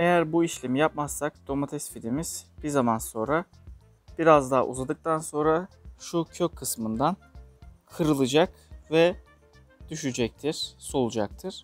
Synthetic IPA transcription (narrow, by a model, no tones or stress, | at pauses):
e̞jæɾbuiʃlʲemijap̚masːak̚d̪̥o̞mat̪ʰɛsfid̪imiz̥b̥iɾzamanso̞nɾa | b̥iɾazd̪a̰ːʔṵzad̪ɯk̚t̪ʰanso̞nɾaʃucʰøcʰːɯsmɯnd̪ankʰɯɾɯlˠɯd͡ʒak | vɛ | d̪̥yʃyd͡ʒɛc̚t̪ʰiɾ̥solˠud͡ʒak̚t̪ʰɯɾ̥